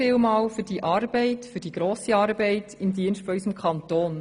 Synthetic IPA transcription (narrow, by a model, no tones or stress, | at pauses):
ɪːlmɑːlfʏɾd̥iʔɑːɾbɛɪtfʏɾd̥iɡ̥ɾoːsiɑːɾbɛɪtɪmdiənsʃtfɔysəmkʰχɑntoːn